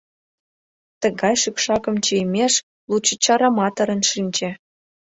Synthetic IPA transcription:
t̪ə̆ɣɑjʃykʃɑkə̆mt͡ɕijmʲeʃ | lut͡ɕə̆t͡ɕɑɾɑmɑt̪əɾə̆nʃinʲt͡ɕĕ

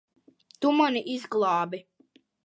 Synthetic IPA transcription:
t̪umaniʔizɡlˠɑːbi

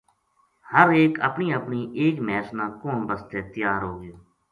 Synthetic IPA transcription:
həɾeːkə̰pniːəpniːʔeːkmɛːsnãːkoːnbəst̪eːt̪ɪjaːɾɦoːɡɪjoː

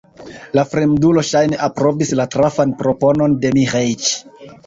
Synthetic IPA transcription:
lafɾemdulo̞ʃajneʔapɾo̞bislatɾafanpɾo̞po̞no̞nde̞miʁejt͡ʃ

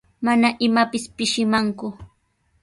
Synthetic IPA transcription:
manaʔɪmapɪspɪʃɪmaŋkʊ

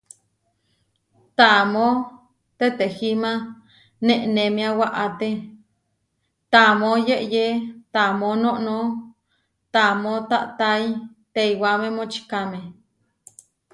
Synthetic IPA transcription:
t̪amo | t̪et̪ehima | neʔnemiawaʔat̪e | t̪amojeʔjet̪amonoʔno | t̪amot̪a̰ʔt̪aj | t̪eiwamemot͡ʃi̥kame

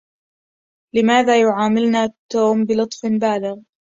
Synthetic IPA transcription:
lɪmaːðaːjʊʕaːmɪlnaːt̪ːoːmbɪlʊt̪ˤfbaːlɪɣ

